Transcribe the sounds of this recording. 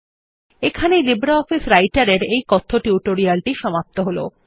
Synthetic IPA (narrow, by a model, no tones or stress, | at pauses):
ekʰanelibɾaɔfisɾajʈaɾeɾejkɔt̪ʰːoʈuʈoɾialʈiʃɔmap̚t̪oɦolo̰